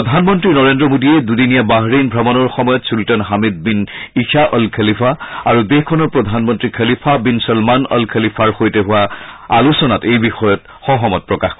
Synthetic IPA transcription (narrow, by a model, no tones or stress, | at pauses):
ɔdʱanmɔntɹinɔɹendɹɔmodiɛdudinijabaɦɹinbʱɔmɔnɔɹxɔmɔjɔtsultɔnɦamid̪̚binikʰaʔɔlkʰəlipʰaaɹudexkʰɔnɔɹpɹɔdʱanmɔntɹikʰəlipʰabinsɔlmanɔ̰lkʰəlipʰaɹxojtɛɦʊwaa̰lusɔnatejbixɔjɔt̚ | xɔɦɔmɔt̚pɹɔkax